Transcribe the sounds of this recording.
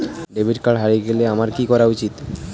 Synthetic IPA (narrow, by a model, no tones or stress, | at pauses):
ɖebʱiʈkaɽɦaɾiɡeleamaɾkikɔɾaut͡ɕit̪